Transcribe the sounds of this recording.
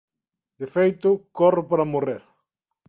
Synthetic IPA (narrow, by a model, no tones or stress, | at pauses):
d̪efejt̪ʊkɔrʊpaɾamoreɾ